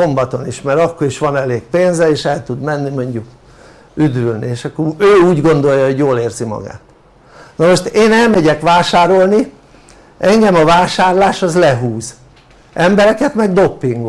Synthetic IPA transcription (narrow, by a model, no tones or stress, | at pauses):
o̞mbɒt̪o̞niʃmɛɾɒkːo̞ɾiʃʋɒnɛleːkpeːnzɛeːʃɛlt̪ud̪mɛnːimo̞ɲɟuk | yd̪ylnḭeːʃɒkːoøːuːɟɡo̞nd̪o̞jːɒɦo̞ɟjoːleːrzimɒ̰ɡa̰ːt̪ | nomo̞ʃt̪eːnɛlmɛɟɛkʋaːʃaːɾo̞lni | ʔɛŋɡɛmɒvaːʃaːrlaːʃɒzlɛɦuːz | ʔɛmbɛɾɛkɛt̪mɛɡd̪o̞pːiŋɡ